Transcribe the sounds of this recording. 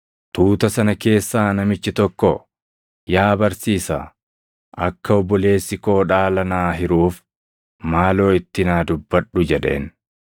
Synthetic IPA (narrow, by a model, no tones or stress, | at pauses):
t̪uːt̪ɐsɐnɐke̞ːsːaːnɐmɪt͡ʃːɪt̪ɔkːɔ | jaːbɐɾsiːsa̰ː | ʔɐkːɐɔbːɔle̞ːsːɪko̞ːᶑaːlɐnaːɦɪɾuːf | maːlo̞ːɪt̪ːɪnaːd̪ʊbːɐᶑːʊd͡ʒɛᶑe̞̰ːn